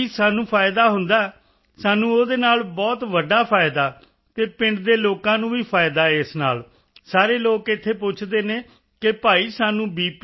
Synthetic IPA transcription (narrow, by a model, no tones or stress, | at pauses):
isaːnũːpʰaːɪd̪aːɦʊnd̪aːɛː | saːnũːoːd̪eːnaːlbɔːt̪ʋəɖaːpʰaːɪd̪aː | t̪eːpɪɳɖd̪eːloːkãːnũːʋiːpʰaːɪd̪aːɛːɪsna̰ːl | saːɾeːloːkɪt̪ʰːeːpʊt͡ʃʰd̪eːneː | kɪpaːiːsaːnũːbiːp